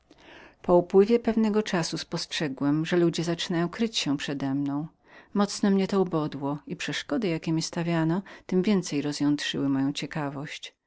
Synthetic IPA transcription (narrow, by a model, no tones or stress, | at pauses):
pɔupwɘvʲjɛpɛvnɛɡɔt͡ʂasuspɔstʂɛɡwɛmʐɛlud͡ʑɛzat͡ʂɘnajɔ̃w̃kɾɘt͡ɕɕɛpʂɛd̪ɛmnɔ̃w̃ | mɔt̪snɔmɲɛt̪ɔubɔd̪wɔipʂɛʂkɔd̪ɘjakʲɛmʲist̪avʲjanɔt̪ɘmvʲjɛnt̪sɛjɾɔzjɔnt̪ʂɘ̰wɘmɔjɔ̃w̃t͡ɕɛkavɔɕt͡ɕ